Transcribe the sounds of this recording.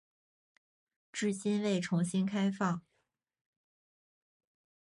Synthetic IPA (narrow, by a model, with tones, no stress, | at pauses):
ʈ͡ʂɻ̩˥˩ɕi˥nwe˥˩ɪʈ͡ʂʰʊ˧˥ŋɕi˥nkʰa˥ɪfɑ˥˩ŋ